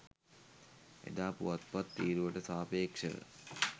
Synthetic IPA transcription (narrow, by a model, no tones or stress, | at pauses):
ḛd̪aːpuʋat̪̚pat̪ːiːɾuʋəʈəsaːpeːkʂə̰ə̰